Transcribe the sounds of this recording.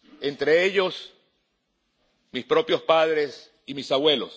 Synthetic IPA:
ent̪ɾeeʎo̞s | mispɾo̞pjo̞spaðɾe̞s | imisaβwe̞lo̰s

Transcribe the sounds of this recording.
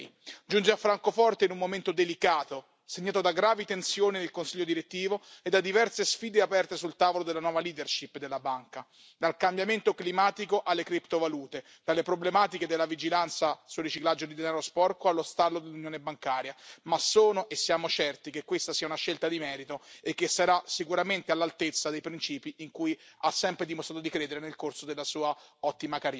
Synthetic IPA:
d͡ʒund͡ʒeafːɾaŋkofɔrt̪einumːoment̪od̪elikaːt̪o | seɲːaːt̪od̪aɡɾaːvit̪ensjoːnid̪elkonsiʎːod̪iɾet̪ːiːvoed̪ːad̪ːivɛrsesfiːd̪eapɛrt̪esult̪aːvolod̪elːanwɔːvaliːd̪erʃipːd̪elːabaŋka | d̪alkambjament̪oklimaːt̪ikoʔalːekɾipt̪ovaluːt̪e | d̪̥alːepɾoblemaːt̪iked̪elːavid͡ʒilant̪sasurːit͡ʃiklad͡ʒːod̪id̪enaːɾospɔrkoalːost̪alːod̪elːunjoːnebaŋkaːɾjamasːoːnoʔesːjaːmot͡ʃɛrt̪ikekːwest̪asiːaunaʃːelt̪ad̪imɛːɾit̪oekːesːaɾasikuɾament̪ealːalt̪et̪sːad̪ejpɾint͡ʃiːpiiŋkujasːɛmpɾed̪imost̪ɾat̪od̪ikɾeːd̪eɾenelkorsod̪elːasuːaɔt̪ːimakaɾ

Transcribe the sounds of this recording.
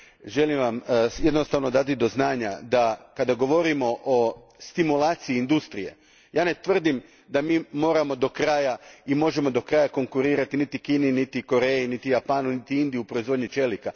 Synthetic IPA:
ʒe̞limʋamje̞d̪nost̪aʋno̞d̪at̪̬id̪o̞znaːɲad̪akad̪aɡo̞ʋo̞ɾimo̞ʔo | st̪imulˠaːt̪siiːnd̪ust̪ɾije̞̰ | jaːne̞t̪ʋr̩d̪im | d̪amiːmo̞ːɾamo̞d̪o̞kɾaːjaimo̞ʒe̞mo̞d̪o̞kɾaːjako̞ŋkuɾiːɾat̪init̪ikiːninit̪iko̞ɾe̞jinit̪ijapaːnunit̪iind̪ijuupɾoizʋo̞d̪ɲit͡ʃe̞lika

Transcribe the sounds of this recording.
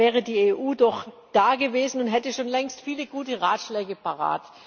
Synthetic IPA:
ɛːʁ̞ədiːeːʔuːdɔχ | d̥aːɡəveːzn̩ʊntɦɛtəʃoːnlɛŋstfiːləɡuːtəʁaːtʃlɛːɡəpaʁa̰ːt

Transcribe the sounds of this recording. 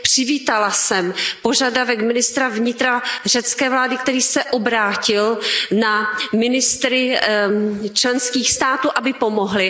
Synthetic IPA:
pr̝̥ɪviːt̪alasɛmpo̞ʒadavɛkmɪnɪst̪ɾavɲɪt̪ɾar̝ɛt͡skɛːvlaːdɪk̚t̪ɛɾiːsɛʔobɾaːcɪlnamɪnɪst̪ɾɪ | t͡ʃlɛnskiːxst̪aːt̪uːʔabɪpomoɦlɪ

